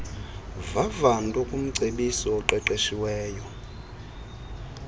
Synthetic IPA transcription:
vavandʼukʼum̩ǀʱeɓisɔːǃɛǃeʃiwɛːjɔ

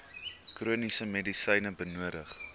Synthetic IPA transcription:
kruənisəmedisəjnəbənuəɾəχ

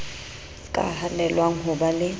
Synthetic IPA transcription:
kʼa̰ɦanɛlwaŋ̩ɦʊbalɪ

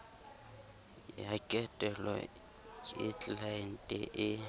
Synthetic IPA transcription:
jakʼɛtʼɛlɔ̰ | kʼɪt͡ɬʼlaɪn̩tʼɛ̰ʔɪ

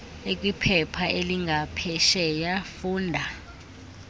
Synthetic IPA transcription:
ek̬ʼwipʰɛpʰaʔeliŋʱapʰɛʃɛjafuːndʱa

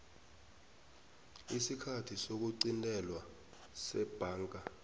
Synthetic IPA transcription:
isikʰatʰisok̬uǀintʼɛlwa | sɛb̥ʱaːŋkʼa

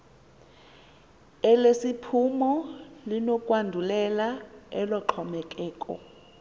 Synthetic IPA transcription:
ɛlesipʰumɔlinokʼwandʱulɛlaɛlɔǃʰɔmɛk̬ʼɛːkʼɔ̰

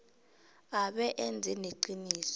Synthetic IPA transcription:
aɓɛʔɛnd͡zʱɛneǃiniːsɔ̥

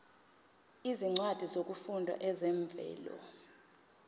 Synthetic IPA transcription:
iziŋ͡ǀad̥ʱizok̬ʼufundʱwa̰ʔɛzɛɱb̪vʱɛ̰ːlɔ̰

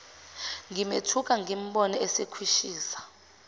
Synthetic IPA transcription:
ŋɡimetʰuk̬ʼaŋɡim̩ɓɔnɔɛsekʰwiʃiːsḁ

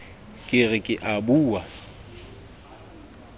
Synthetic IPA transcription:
kʼɪrɪkʼɪʔabuːwa

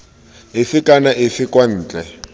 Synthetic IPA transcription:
ɪfɪkʼanaʔɪfɪkʼwan̩ːt͡ɬʼɛ

